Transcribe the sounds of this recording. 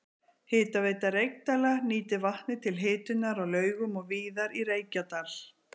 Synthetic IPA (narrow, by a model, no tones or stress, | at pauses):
hɪːt̪aveːjt̪aɾejk̚t̪alaniːt̪ɪvaht̪nɪt̪ʰɪlɦɪːt̪ʏnaɾawlœːɥɣʏmɔɣviːðaɾirejcat̪al̥